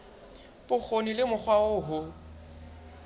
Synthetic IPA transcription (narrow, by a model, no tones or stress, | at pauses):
bʊk͡xʰonilɪmʊk͡xʰwaʊɦʊ